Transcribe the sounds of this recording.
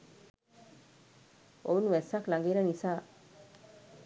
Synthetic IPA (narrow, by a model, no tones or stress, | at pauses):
ounʋɛsaklaŋɡiɾənisaː